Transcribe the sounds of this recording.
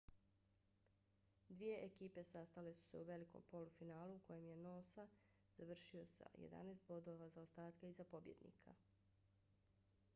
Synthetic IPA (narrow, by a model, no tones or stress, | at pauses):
d̪ʋije̞ʔekiːpe̞sast̪ale̞su̥se̞uʋe̞liko̰mpo̞lufinaːluːko̞je̞mje̞no̞ːsa | z̥aʋr̩ʃio̞sa̰jḛd̪a̰neːst̪̚bo̞d̪o̞ʋazaost̪aːt̪kaizapo̞bje̞̰d̪nḭkʰa̰